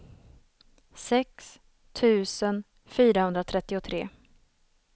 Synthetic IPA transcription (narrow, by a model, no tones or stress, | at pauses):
sɛks | t̪ʰʉ̟ːsən | fyːɾahɵnd̪ɾat̪ʰɾɛt̪ːɪʊt̪ʰɾḛː